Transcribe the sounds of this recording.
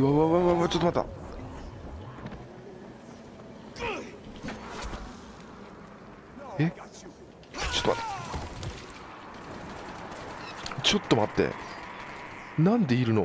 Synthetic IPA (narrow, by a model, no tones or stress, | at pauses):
βaβaβaβaβat͡ɕot̪ːomat̪ːa̰ | e | t͡ɕo̥t̪ːoma̰t̪ːḁ | t͡ɕo̞t̪ːo̞mat̪ːe̞̰ | nãnd̪e̞iɾɯ̟no